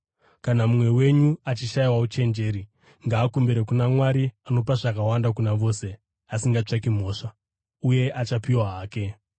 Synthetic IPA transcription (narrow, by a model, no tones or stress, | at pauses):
kanamumwe̞we̞ɲuat͡ʃiʃaiwaut͡ʃe̞nd͡ʒe̞ːɾi | ŋɡaːkumbeɾekunamwaɾiano̞p̬aʐakawandakunaʋo̞ːse̞ | asiŋɡat͡ʂak̬im̤o̞ːʂa | uje̞ʔat͡ʃapiwaɦaːke̞